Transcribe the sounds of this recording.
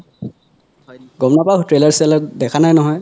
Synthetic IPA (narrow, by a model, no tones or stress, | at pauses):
ɡɔmnapaktɹelaɹsɛlɔtdɛkʰanajnɔɦɔj